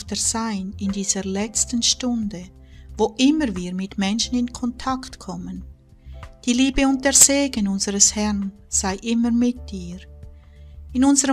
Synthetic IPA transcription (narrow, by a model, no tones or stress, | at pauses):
tɛz̥aɪnɪndiːz̥əlɛt͡stənʃtʊndə | voːʔɪməviːʁmɪtmɛnʃənɪnkʰɔntʰaktkʰɔmən | d̥iːliːbəʊnt̚d̥eːɐz̥eːɡənʊnzəʁəshɛʁn | z̥aɪʔɪməmɪt̚diːɾ | ɪnʊnzəʁə